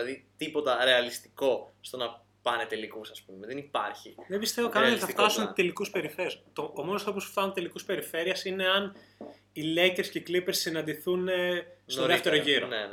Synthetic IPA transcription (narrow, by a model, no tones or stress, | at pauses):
lɐðit̪ipo̞t̪ɐɾe̞ɐlist̪i̥ko̞st̪o̞nɐ | pɐnet̪e̞likusɐspumeðenipɐ̰ɾçiðebist̪evokɐnot̪iθɐft̪ɐsunt̪e̞likuspe̞ɾifeɾiɐst̪oomonost̪ɾopusuft̪ɐnunt̪elikuspe̞ɾife̞ɾiɐsine̞ɐn | ileceɾsceiklipeɾsːinɐnd̪iθunesoðeft̪e̞ɾoʝiɾone